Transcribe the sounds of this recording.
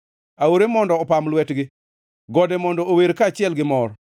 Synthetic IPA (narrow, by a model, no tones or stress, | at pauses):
aoɾemɔndɔːpamlwɛtɡɪ | ɡɔdɛmɔndɔoweɾkat͡ʃɪɛlɡɪmɔr